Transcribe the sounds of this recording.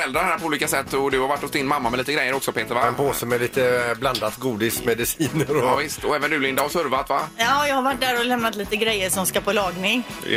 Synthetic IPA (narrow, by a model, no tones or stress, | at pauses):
ɛld̪ɾaɾɦæːɾpɔuːliːkasɛt̪ːɔd̪ɵhaɾvaʈːɔst̪ɪnmamːamɛliːt̪əɡɾɛjːəɾɔksɔpʰeːt̪əɾvaɛnpoːsəmɛliːt̪əbland̪at̪ɡuːd̪ɪsmɛd̪ɪsiːnəɾɔvɪst̪ɔɛːvənd̪ʉːlɪnd̪ahɔsɵɾvat̪vajɑːjɑːɡhaɾvaʈ̚d̪æːɾɔlɛmnat̪liːt̪əɡɾɛjːəʂɔmskapʰɔlɑːɡnɪŋ